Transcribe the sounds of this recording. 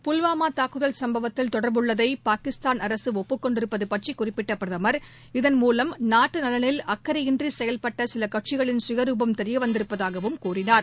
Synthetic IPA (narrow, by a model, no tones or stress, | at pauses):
pʊlʋaːmaːt̪aːkɯðɐlsɐmbɐʋɐt̪ːɪlt̪ɔɽɐɾbɯɭːɐðɐɪpaːkɪst̪aːnɐɾɐsɯɔpːɯkːɔɳɖɪɾɯpːɐðɯpɐʈrikʊrɪpːɪʈːɐpɾɐðɐmɐɾ | ɪðɐnmuːlɐmnaːʈːɯnɐlɐnɪlɐkːɐɾɐɪndrisɛjɐlpɐʈːɐsɪlɐkɐʈ̚t͡ʃɪɣɐɭɪnsɪɣɐɾuːbɐmt̪ɛɾɪjɐʋɐnd̪ɪɾɯpːɐðaːɣɐʋɯmkuːrɪnaːɾ